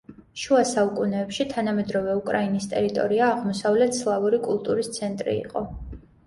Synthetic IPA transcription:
ʃuasaukʼunɛːpʃit̪ʰanamɛd̪ɾɔvɛukʼɾainist̪ʼɛ̰ɾit̪ʼɔ̰ɾiaːʁmɔsavlɛt̪ʰslˠavuɾikʼulˠt̪ʼuɾist̪sʰɛnt̪ʼɾḭːqʼɔ

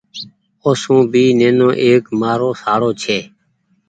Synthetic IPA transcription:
oːsũːbiːneːnõːʔeːkmaːɾoːsaːɽoːt͡ʃʰeː

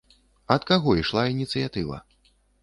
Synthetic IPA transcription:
ɐt̪kaɣɔiʂlˠainʲit̪sɨjat̪ɨvɐ̰

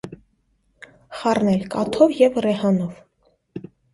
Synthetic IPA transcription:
χɑrnɛlkɑt̪ʰɔvjɛvrɛhɑnɔv

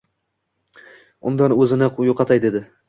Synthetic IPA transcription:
ʊ̰nd̪anɵzɪnɪjoqʰɑt̪ʰajd̪ed̪ɪ

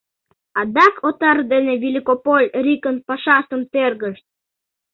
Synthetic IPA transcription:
ɑd̪ɑkʰot̪ɑrd̪enevʲilʲikopolʲɾikənpɑʃɑsə̆mt̪erɣə̆ʃt̪̚

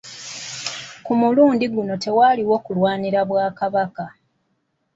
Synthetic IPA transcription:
kumuluːndiɡuno̞te̞waːliwo̞ːkulwaːniɾaβwaːkaβaka

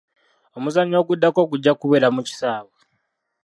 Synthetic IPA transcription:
omuzaɲo̞ːɡudːako̞k̬uɟːakuβelamuci̥saːβe

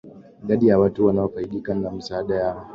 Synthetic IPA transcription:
ɡɐɗijawɐtuwanaɸaiɗikɐnlam̩saːɗɐja

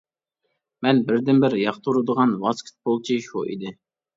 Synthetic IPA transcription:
mɛnbɪɾd̪ɪnbɪɾjɑχt̪ʰuɾɨd̪əʁɑnwɑskʲʰɪ̥t̪̚bolˠt͡ʃʰiʃuʔḭd̪ɪ

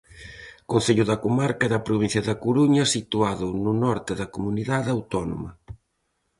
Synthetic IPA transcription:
kõnθeʎʊðɐkomaɾkɐɛðɐpɾoβin̟θjɐðɐkoɾuɲɐsit̪uaðʊnʊnɔɾt̪ɪðɐkomuniðaðawt̪ɔno̰mɐ

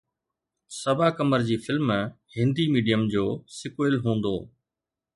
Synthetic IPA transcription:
sɐbʱaːkəməɾd͡ʑiːfʰɪlm̃ː | hɪ̃nd̪iːmiːɖijəmd͡ʑoːsɪkoɪlɦũːn̆d̪o̰ː

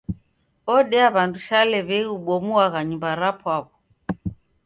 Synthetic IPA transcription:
ɔɗɛaβanduʃalɛβɛiuɓɔmuaɣaɲumbaɾapʰwaβɔ

